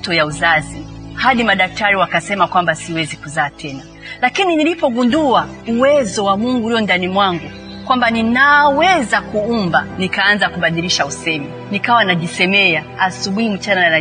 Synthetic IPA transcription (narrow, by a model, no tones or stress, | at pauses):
tɔjauzazihaɗimaɗak̚taɾiwakasɛmakwambasiwɛzikuzaːtʰɛna | lakininilipɔɡundua | uwɛzɔwamuŋɡuɾiɔndanimwaŋɡu | kwambaninawɛzakuumbanikaanzakuɓaɗiliʃausɛmɛ | nikawanaʄisɛmɛa | asuɓuhim̩t͡ʃananaɾa